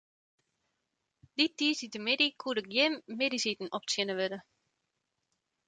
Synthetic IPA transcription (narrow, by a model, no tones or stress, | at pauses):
d̥itisitəmɪdikʰuəɾək̚jɪmːɪdisitn̩ɔpsɪnəʋødə